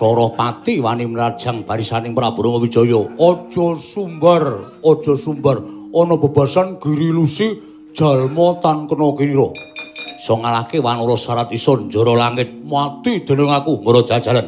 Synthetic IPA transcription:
sɔɾɔhpat̪iwaniməlard̥ʒ̥a̤ŋb̥a̤ɾisanɪŋpəɾab̥ṳɾɔŋɔbi̥t͡ʃɔjɔɔd̥ʒ̥ɔsumbər | ɔd̥ʒ̥ɔ̤sumbərʔɔnɔb̥a̤b̥a̤sanɡ̥i̤ɾilusi | d̥ʒ̥a̤lmɔt̪ankənɔkiniɾɔ | sɔŋalahkewanɔɾɔsaɾat̪isɔnd͡ʒɔ̤ɾɔlaŋɪt̪̚mat̪id̪̥e̤nəŋakuməɾɔd̥ʒ̥ad̥ʒ̥a̤lan

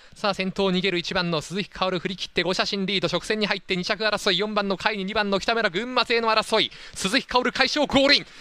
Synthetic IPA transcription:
saːsẽ̞nt̪o̞ːɲ̟iɡe̞ɾɯ̟it͡ɕibãnːo̞sɨzɨçʲi̥kʰaoɾɯ̟ɸɯ̟ɾʲikʲi̥t̪ːe̞ɡo̞ɕaɕĩnɾʲiːd̪o̞ɕo̞kɯ̟̥se̞ɲ̟ːiɦait̪ːe̞ɲ̟it͡ɕakɯaɾaso̞ijõmbãnːo̞kʰaiɲ̟iɲ̟ibãnːokʲi̥t̪ame̞ɾaɡɯ̟̃mːase̞ːno̞aɾaso̞i | sɨzɨçʲi̥kʰaoɾɯ̟kaiɕo̞ːɡo̞ːɾʲĩŋ

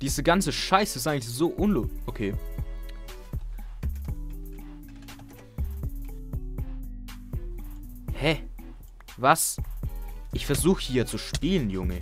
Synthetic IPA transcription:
d̥iːzəɡant͡səʃaɪsəɪstʔaɪŋ̩lɪçz̥oːʔʊnloʔokʰeː | hɛ | vas | ʔɪçfɛɐzuːxəhiːɐt͡suʃpiːlənjʊŋə

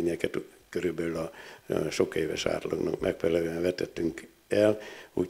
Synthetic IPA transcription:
ɲɛkɛt̪ | køɾylbɛlylɒʃo̞keːvɛ̰ʃa̰ːt̪lɒɡnɒ̰kmʔɛkfɛlɛløɛɱvɛt̪ɛt̪ːyŋk | ɛlu

